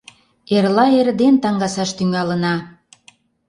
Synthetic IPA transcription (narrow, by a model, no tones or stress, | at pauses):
erlɑeɾə̆d̪ent̪ɑŋɡɑsɑʃt̪yŋɑlə̆nɑ